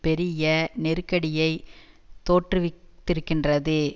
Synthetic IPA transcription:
pɛɾɪjɐnɛɾɯkːɐɽɪjɐɪ | t̪ːoːʈrɯʋɪt̪ːɪɾɯkːɪndrɐðɯ

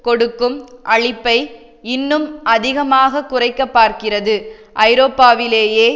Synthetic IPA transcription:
kɔɽɯkːɯmʔɐɭɪpːɐɪ | ɪnːɯmʔɐðɪɣɐmaːɣɐkːʊrɐɪkːɐpːaːɾkɪrɐðɯʔɐɪɾoːpːaːʋɪleːjeː

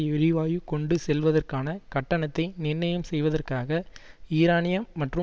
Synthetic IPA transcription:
ɐɛɻɪʋaːjɯkɔɳɖɯsɛlʋɐðɐrkaːnɐkɐʈːɐɳɐt̪ːɐɪnɪnːɐjɐmsɛjʋɐðɐrkaːɣɐiːɾaːnɪjɐmːɐʈrɯ

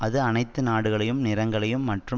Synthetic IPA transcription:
ʔɐðɯɐnɐɪt̪ːɯnaːɽɯɣɐɭɐjɯmnɪɾɐŋɡɐɭɐjɯmːɐʈrɯ

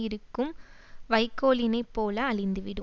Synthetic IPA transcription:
ɪɾɯkːɯm | ʋɐɪkːoːlɪnɐɪpːoːlɐːɭɪnd̪ɯʋɪɽɯ

